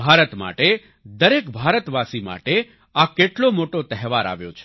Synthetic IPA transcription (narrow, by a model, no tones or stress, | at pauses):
bʱaɾət̪ma̰ʈe | d̪əɾekbʱaɾət̪ʋasima̰ʈe | akeʈlomoʈot̪ɛɦʋaɾa̰ʋjo̰t͡ʃʰe̥